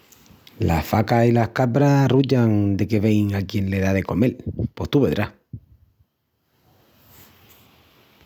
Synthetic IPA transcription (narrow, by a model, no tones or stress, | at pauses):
la̰hfakasilahkapɾaruʎaŋd̪e̞ke̞βe̞jŋakje̞nle̞ðaðe̞ko̞me̞lpwo̞ht̪uβe̞ðɾah